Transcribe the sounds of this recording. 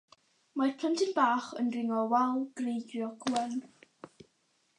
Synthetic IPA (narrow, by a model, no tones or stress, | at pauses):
marpʰəntʰɪnbaːχənrɪŋɔwɛlˠɡ̥rejɡrjɔɡlən